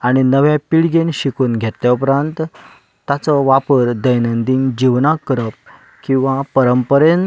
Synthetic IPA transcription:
aɽ̃inəʋjapiɭɡenɕikuːnɡʱet̪ljaupɾãnt̪ː | at͡sɔʋapəɾd̪əjnənd̪iŋd͡ʑiʋnakːəɾəp̚ | kĩw̃ʋapəɾəmpəɾen

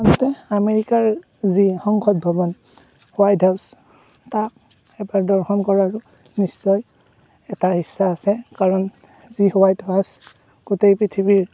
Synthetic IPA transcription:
antɛameɹikaɹ | zixɔŋkʰɔt̚bʱɔbɔn | hʊwajdʱɦaws | tak̚ | ɛbaɹdɔɹxɔnkɔɹaɹʊ | nisːɔj | ɛtaɦisːaːsɛkaɹɔn | zihɔwajdʱas | ɡ̥ʊtejpɹitʰibiɹ

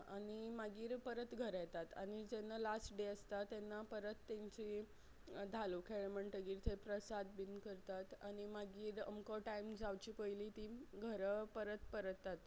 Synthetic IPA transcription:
añimaɡiːɾpəɾət̪ɡʱəɾjɛt̪at̪a̰ñid͡zɛnːalasʈɖeəst̪at̪ːɛnːapəɾət̪ːẽɲt͡ɕi | d̪ʱalukʰeɭməɳʈəɡiːɾt̪ʰepɾəsad̪̚binkəɾt̪at̪a̰ɽ̃imaɡiːɾə̰mkɔʈaimd͡zawt͡ɕipəjliːt̪iɡʱəɾpəɾət̪pəɾət̪ːat̪

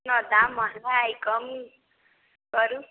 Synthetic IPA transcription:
nʌd̪amʌɦaajkʌm | ɡʌɾu

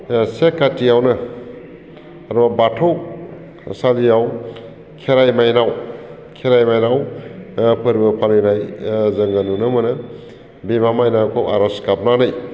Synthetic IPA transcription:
sekːatijawnɯ | aɾabatʰow | salijaw | kʰeɾajmajnaw | kʰeɾajmajnaw | pʰɯɾbɯpʰalɯjnajzɐŋɡanunɯmɯnɯ | bimamajnakʰowaɾaskap̚nanaj

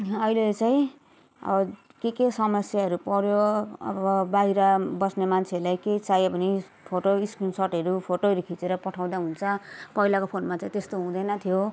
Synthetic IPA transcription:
ʌilet͡sajĩ | ʌ̰bʌ | kekesʌmʌsjaɦʌɾupʌɾjoʌ̰bʌʌbaiɾʌbʌsnemant͡sʰeʌlajket͡sajobʱʌni | pʰoʈoiskrinsorʈʌɾupʰoʈoɾukʰit͡seɾʌpʌʈʰaw̃d̪aɦunt͡sʰʌpʌilakopʰonmat͡saĩt̪est̪oɦũd̪ʌjnʌt̪ʰijo

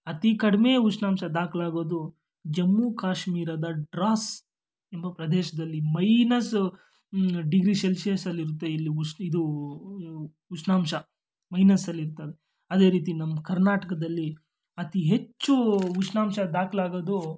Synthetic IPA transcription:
ɐt̪ikɐɽimeut͡ʃnaːmʃɐd̪aːklaːɡoːd̪u | d͡ʒɐmːukaːʃmiːɾɐd̪ɐɖɾaːs | embɐpɾɐd̪eːʃɐd̪ɐlːimɐjnɐs | ɖiɡɾiʃelsɐɐsɐlːiɾut̪ːeilːiuid̪u | ut͡ʃnaːmʃɐ | mɐjnɐsɐlːiɾt̪ɐʋe | ɐd̪e̞ːɾiːt̪̬inɐmːɐkɐɾnaːʈɐkɐd̪ɐlːi | ɐt̪iɦe̞t͡ʃːuuʃnaːmʃɐd̪aːklaːɡoːd̪u

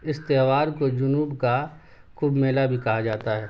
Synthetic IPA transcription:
ɪst̪eɦʋaːɾkod͡ʒʊnuːbka | xuːbmeːlabʱikɐɦad͡ʒaːt̪aɦɛː

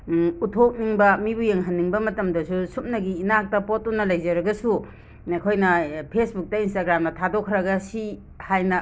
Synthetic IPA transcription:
utʰok̚niŋbɐmibujeŋɦɐnːiŋbɐmɐtɐmdɐsusup̚nɐɡiːnak̚tɐpot̚unːɐlɐjzɐɾɐɡɐsu | ekʰojnɐpʰesbuk̚tɐinstaɡɾamnɐtʰadokʰɾɐɡɐsi | hajnɐ

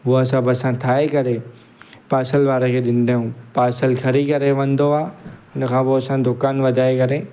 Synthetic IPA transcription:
ɦʊɦɐsãbɪɐsãt̪ʰaːekɐɾe | paːsəlʋaːɾekʰeːɗɪ̃nɪd̪ʱaːjũpaːsəlkʰɐɾikɐɾeʋɐ̃nd̪oaːʊnəkʰãːpoɐsãd̪ʊkaːnʋɐd̪ʱaːekɐɾe

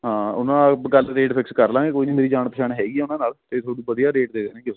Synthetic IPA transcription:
ɦãːʊnãːɡəlɾeːʈpʰɪkskəɾlãːɡeːkoːiːniːmeːɾiːd͡ʒaːɳpəʃʰaːnɦɛːɡiːɛːʊnãːnaːlt̪eːt̪ʰoːɽiːʋəd̪ijaːɾeːʈ̚d̪eːd̪eːnẽːkjeoː

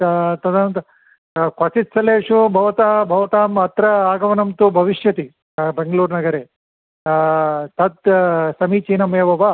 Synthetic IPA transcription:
t̪ɐd̪ant̪ɐ | kʋɐsit̪sɐleːʂubʱɐʋɐt̪abʱɐʋɐt̪aːmɐt̪ɾɐaːɡɐʋɐnɐmt̪ubʱɐʋiʂjɐt̪i | beŋɡɐluːɾnɐɡɐɾeː | t̪ɐd̪̚sɐmiːt͡ʃiːnɐmeːʋɐʋa

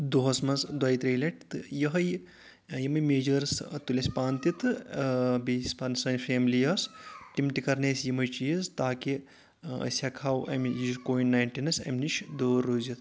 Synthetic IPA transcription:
d̪oɦɐsmɐsd̪wɐjt̪ɾiːlɐʈt̪ɨjɐɦɐj | jimɐjmeːd͡ʒɐɾst̪ulʲesʲpaːnt̪it̪ | bisʲpɐnsɐnfʰeːmlijɐsʈimʈikɐɾneːsjimɐjt͡ʃijist̪aːki | ɐ̰sʲjakʰaːwʔɐ̰mjikoːinnaːjnʈinɐsɐ̰mniʃʰd̪oːɾːoːzit̪

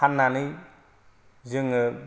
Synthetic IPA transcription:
anːanɯj | zɯŋɯ

